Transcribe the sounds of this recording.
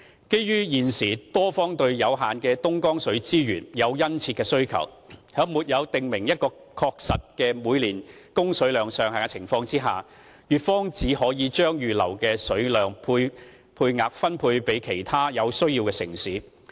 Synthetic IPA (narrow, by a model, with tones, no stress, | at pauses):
ke˥jjyː˥jiː˨˩nsiː˨˩t̪ɔː˥fɔː˥ŋt̪ɵ˧ɥjɐ˨˧wɦaː˨nkɛː˧t̪ʊ˥ŋkɔː˥ŋsɵ˨˥ɥt͡siː˥jyː˨˩njɐ˨˧wjɐ˥nt͡sʰiː˧t̚kːɛː˧sɵ˥ɥkʰɐ̰˨˩whœː˨˥ŋmuː˨˩t̚jɐ˨˧wt̪ɪ˨ŋmɪ˨˩ŋjɐ˥t̚kɔː˧ | kʰɔː˧k̚sɐ˨t̚kɛː˧muː˨˧jliː˨˩nkʊ˥ŋsɵ˨˥ɥlœː˨ŋsœː˨ŋha˨ka˧t͡sʰɪ˨˩ŋfɔː˧ŋt͡siː˥ɦa̰ː˨ | jyː˨˩t̚fɔː˥ŋt͡siː˨˥hɔː˨˥jiː˨˧t͡ʃœː˥ŋjyː˨lɐ˨˩wkɛː˧sɵ˨˥lœː˨ŋpʰuː˧j | pʰuː˧jŋaː˨˧k̚fɐ˥npʰuː˧jpe˨˥jkʰe˨˩jt̪ʰaː˥jɐ˨˧wsɵ˥ɥjiː˧wkɛː˧sɪ˨˩ŋsiː˨˥